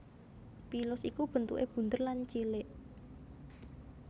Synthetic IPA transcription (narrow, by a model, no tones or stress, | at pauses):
pilʊsikub̥ə̤nt̪ṵʔeb̥ṳnt̪ərlant͡ʃilɪʔ